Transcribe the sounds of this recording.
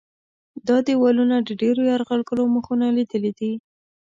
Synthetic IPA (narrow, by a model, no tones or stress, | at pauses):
d̪ɑd̪ewɑlunad̪əɖeɾojaɾɣalɡəloməxunalid̪əlid̪i